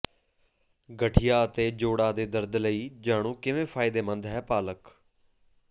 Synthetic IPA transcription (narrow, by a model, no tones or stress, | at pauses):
ɡəʈʰɪjaːət̪eːd͡ʒoːɽaːd̪eːd̪əɾd̪ləiːd͡ʒaːɽ̃ũːkɪʋẽːpʰaːɪd̪eːmə̃nd̪ɦɛːpaːlək